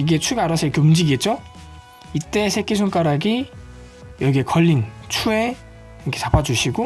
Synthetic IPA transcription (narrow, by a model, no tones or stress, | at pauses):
iɡe̞t͡ɕʰuɡaɾasʰʌɾikʰeumd͡ʑiɡiet̚t͡ɕ͈o | it͈e̞sʰek͈isʰuŋk͈aɾaɡi | jʌɡiekʌʎːint͡ɕʰue̞ | ɾkʰe̞t͡ɕapʰad͡ʑuɕʰiɡo